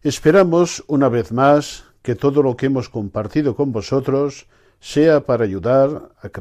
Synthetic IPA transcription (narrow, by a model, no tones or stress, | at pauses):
espeɾamosunaβeθmasket̪oðolokeemoskompaɾt̪iðoko̞mbosot̪ɾosː | eapaɾaːʎuðaɾak